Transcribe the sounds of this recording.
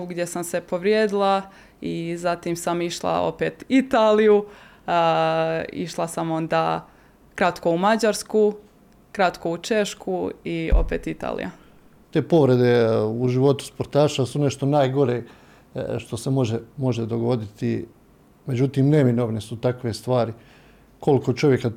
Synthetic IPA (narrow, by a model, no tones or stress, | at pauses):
ɡd̪ʲje̞samse̞po̞ʋɾjeːd̪ilˠa | izat̪imsamiʃlˠa̰o̰peːt̪it̪aːliju | ḭʃlˠasamo̞nd̪aː | kɾat̪ko̞umad͡ʑaɾsku | kɾat̪ko̞ut͡ʃe̞ʃkuio̞̰peːt̪it̪a̰ːlḭja̰ | t̪e̞ːpo̞ʋɾe̞d̪e̞uʒiʋo̞t̪u̥spo̞ɾt̪aːʃasune̞ʃt̪o̞naːjɡo̞ɾe | ʃt̪o̞semo̞ʒemo̞ʒed̪o̞ɡo̞d̪it̪i | me̞d͡ʑut̪iːmne̞mino̞ʋnisut̪akʋest̪ʋaːɾi | ko̞liko̞t͡ʃo̞ʋje̞ka